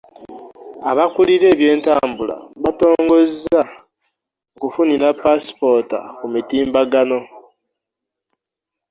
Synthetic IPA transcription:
aβakuliɾe̞ːβje̞ːntaːmbula̰βato̞ːŋɡo̞zza | okufuniɾapasi̥po̞ta̰kumitiːmbaɡano̞

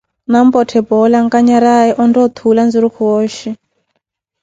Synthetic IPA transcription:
nambɔtʰɛbɔlaŋkaɲaɾaɛʔɔndɔt̪ʰuland͡ziɾukʰuɔːʃi

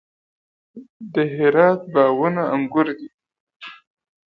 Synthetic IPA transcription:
d̪əɦɪɾɑt̪̚bɑːwunaaŋɡʊɾd̪i

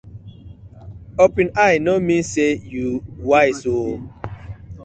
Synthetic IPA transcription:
opĩnajnomĩsejuwajso

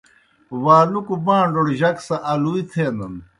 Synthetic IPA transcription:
waːlukubãːɳɖoɽʑɐksɐʔɐluit̪ʰeːnɐn

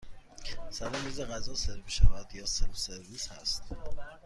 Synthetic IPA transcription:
sæɾomiːzeɣæzɒːseɾviʃævæd̪̥jɒːseseɾviːshæst̪

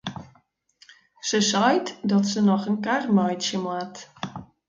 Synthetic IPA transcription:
səsɔjtdɔtsənɔxənkarmœjtsjəmat

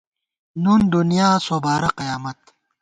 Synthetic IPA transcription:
nuːnd̪unijaːsoːbaːɾɐqɐjaːmɐt̪

